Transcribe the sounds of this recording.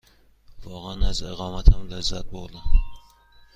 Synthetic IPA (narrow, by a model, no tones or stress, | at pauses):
vɒːʁanazɪʁɒːmat̪hamlazːat̪̚bolˠɪ